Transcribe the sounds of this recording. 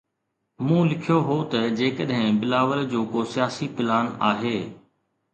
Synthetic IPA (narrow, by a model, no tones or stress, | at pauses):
mũːlɪkʰijoɦoːt̪ɐd͡ʑeːkəɗɦɪ̃bɪlaːʋəld͡ʑoːkoːsɪjaːsipɪlaːnaːɦeː